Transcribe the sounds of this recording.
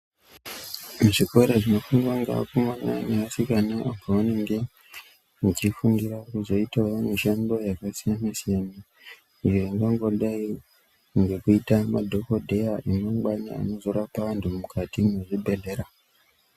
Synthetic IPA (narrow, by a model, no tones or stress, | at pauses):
muʐiko̞ɾeʐino̞fuŋɡaŋɡa̰kumwana̰neasikanaʔapoʋaneŋɡe̞ | t͡ʃifuŋɡiɾakuzo̞itawamiʃando̞jakasijanasijani | nijoiŋɡaŋɡo̞ɗai | ŋɡe̞kuitamadʱo̞kodʱe̞jaʔimaɡ͡baɲa̰a̰no̞zo̞rapaʋantʰumukʰatimeʐibʱe̞le̞ɾa